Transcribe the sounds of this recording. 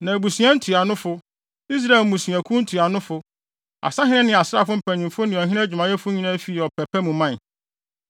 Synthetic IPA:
nã˨æ˨bu˨sĩ˨˦ã˦n̩˦tʰi˨a˨nʊ̃˦fʊ˦ | i˦s̬ɾa˦e˨lmũ˨sĩ˨æ̃˨kʰũ˦n̩˦tʰi˨a˨nʊ̃˦fʊ˦ | a̰˨sã˦ɦɪ̃˦ɪ̃˦nɪ̃˨a˨sɾa̰˦˨fʊ˦m̩˨pʰæ˨nɪ̃˨fʊ˦nɪ̃˨ɔ˨ɦɪ̃˦ɛ̃˦d͡ʑᶣu˨mã˨jɛ˦fʊ˦ɲĩ˦nã˦fi˦˨ɔ˨pʰɛ˨pʰɛ˦mũ˨mã˦˨

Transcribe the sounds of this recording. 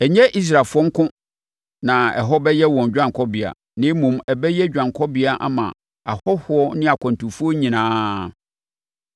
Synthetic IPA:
ɛ˨ɲɛ̃˦ʔi˦s̬ɾa˨fʊ˦ɔ˦ŋ̩˦kʊ̃˦ | nã˨ɛ̰˨ɦɔ˦bɛ˦jɛ˦wɔ̃˨ɲᶣ˨ã˦˨ŋkʰɔ˦bɪ˨a̰˨ | nɪ̃˦mũ˨mɛ˨bɛ˦jɛ˦d͡ʑᶣã˨ŋkʰɔ˦bɪ˦a˨ʔa̰˦mã̰˨ | a˨hɔ˦hʊ˨˦ɔ˦nɪ̃˦a˨kʷʰɔ̃˨n˨tũ˨fu˦ɔ˦ɲĩ˨nãː˦

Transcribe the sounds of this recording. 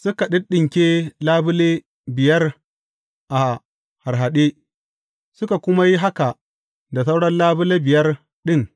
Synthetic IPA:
sʊ˦ka˨ɗɪ˦ɗɪ˨ŋkʲeː˦laː˦bʊ˦leː˦ | bɪ˨jɐ˦r | ʔa˨ | ha˨rɦa˨ɗeː˦ | sʊ˦ka˨kʷʊ˦ma˦ji˦ɦa˦ka˨ | da˨sa˦wɽɐ˦nlaː˦bʊ˦leː˦bɪ˨jɐ˦r | ɗɪ˦ŋ

